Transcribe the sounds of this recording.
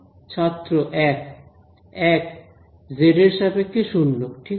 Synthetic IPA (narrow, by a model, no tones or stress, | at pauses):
t͡ɕʰat̪ːɾoʔɛk̚ | ɛk | zeɾeɾʃabekeʃunːokʈʰi